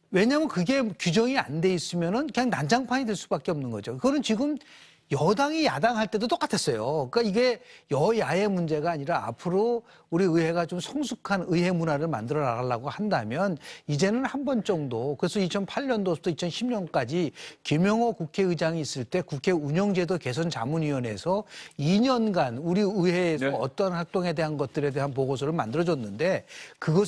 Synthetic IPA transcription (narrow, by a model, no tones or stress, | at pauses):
we̞ɲamjʌnkɯɡe̞kud͡ʑʌŋia̰nde̞is͈ɯmjʌnɯnkɯɲaŋnand͡ʑaŋpʰaɲidweɭs͈ubak͈eʌmnɯnɡʌ̰d͡ʑoiɡʌnɯnt͡ɕiɡɯm | jʌdaŋijadaŋɦaɭt͈e̞dot͈ok͈atʰe̞s͈ʌjok͈aiɡe̞jʌiae̞mund͡ʑe̞ɡaːɲiɾa̰ːpʰɯɾo | uɾiɯjɦe̞ɡat͡ɕomsʰʌŋsʰukʰanɯɦe̞munaɾɯɭma̰ndɯɾʌnaɡaɭːaɡohandamjʌnid͡ʑe̞nɯnhanbʌnt͡ɕ͈ʌŋdokɯɾe̞sʰʌit͡ɕʰʌnpʰaɭɲʌndoʌ̥tʰʌit͡ɕʰʌnɕʰimɲʌnk͈ad͡ʑikjemjʌŋwʌkukʰe̞ɯd͡ʑaŋiːs͈ɯɭt͈e̞kukʰe̞uɲʌŋd͡ʑe̞doke̞sʰʌnt͡ɕamɯnɥiwʌne̞sʰʌiɲʌnɡanuɾiɯɦe̞ːsʰʌʌt͈ʌnhak̚t͈oŋe̞de̞ɦanɡʌt̚t͈ɯɾe̞de̞ɦanp̬oɡos̬ʰʌɾɯɭma̰ndɯɾʌd͡ʑʌnːɯnde̞kɯɡʌ